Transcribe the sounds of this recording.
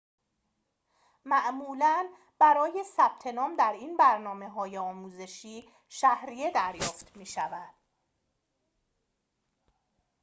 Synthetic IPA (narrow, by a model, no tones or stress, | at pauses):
mæʔmuːlæn | b̥æɾɒːje̞sæb̥̚t̪ʰe̞nɒːmd̪æɾiːnbæɾnɒːme̞ɦɒːjeɒːmuːze̞ʃiː | ʃæhɾije̞d̪æɾjɒːft̪ʰmiːʃævæd̪̥